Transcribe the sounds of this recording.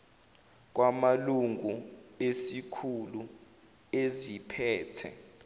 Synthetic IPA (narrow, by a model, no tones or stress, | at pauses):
k̬wamaluŋʱuesikʰulu | ezipʰɛːtʰɛ̰